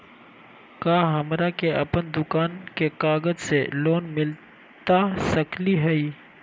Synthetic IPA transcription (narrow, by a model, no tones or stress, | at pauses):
kaːɦəmɾakeɐ̰pənd̪ʊkaːnkekaːɡəd͡ʒseloːnmɪl | t̪aʃəkliɦɛiː